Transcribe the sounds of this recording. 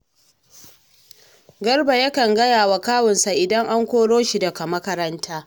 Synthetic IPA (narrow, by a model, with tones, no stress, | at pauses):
ɡɐ˦rba˨ja˦kɐ˨ŋɡɐ˦jaː˨wa˨kaː˦wɪ˨nsa˨ʔɪ˨dɐ˦ŋʔa˦ŋkʷoː˦ɽoː˦ʃi˨dɐ˨ka˨mɐ˦kɐ˦ɾɐ˦ntʰaː˦